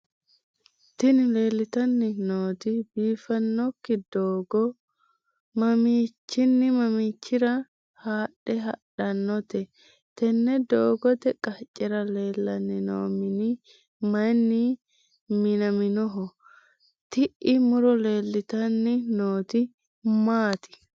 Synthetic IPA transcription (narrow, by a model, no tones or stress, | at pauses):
t̪ɪnɪle̞ːlːɪt̪ɐnːɪnoːt̪ɪbiːfɐnːɔkːɪd̪oːɡɔ | mɐmiːt͡ʃːɪnːɪmɐmiːt͡ʃːɪɾɐ | haːɗɛɦɐɗɐnːɔt̪ɛ | t̪ɛnːɛd̪oːɡɔt̪ɛkʼɐt͡ʃʼːɛɾɐleːlːɐnːɪno̰ːmɪnɪ | mɐnːɪ | mɪnɐmɪnɔɦɔ | t̪ɪʔɪmʊɾɔle̞ːlːɪt̪ɐnːɪnoːt̪ɪ | maːt̪ɪ̥